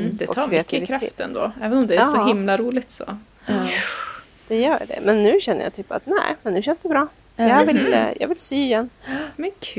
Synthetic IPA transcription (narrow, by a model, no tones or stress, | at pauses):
d̪ɛtɔkːɾɛat̪ːʰɪvɪkʰɾaḛːt̪ɛ̰nd̪o̰ːɛːvɛnɔmd̪ɛæsɔɦɪmlaɾuːlɪɡt̪sɔ̰ | d̪̥ɛjœːɖɛ̰mɛnːʉ̟ːɕɛnːə̰ja̰ːt̪ʰyːpa̰t̪næ̰ɪmɛnːʉ̟ːɕɛnsd̪ɛbɾɑː | jɑɡvɪljɑ̰ːɡvɪlsyːɪjɛnːmɛnkʰː